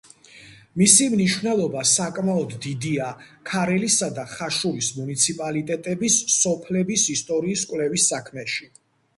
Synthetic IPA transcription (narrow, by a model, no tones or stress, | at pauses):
misimniʃvnɛlˠɔbasakʼmaɔd̪ːid̪ia | kʰaɾɛlisad̪aχaʃuɾismunit̪sʰipʼalit̪ʼɛt̪ʼɛbisːɔpʰlɛbisist̪ʼɔɾiːskʷʼwlɛvisːakʰmɛʃi